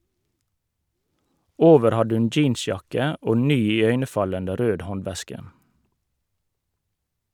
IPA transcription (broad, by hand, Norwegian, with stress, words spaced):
ˈoːʋəɾ ˈhɑd ˈʉn ˈd͡ʒiːnˌsjɑkə ˈoː ˈnyː ɪˈœʏnəˌfɑləndə ˈɾøːd ˈhɔnˌʋɛskə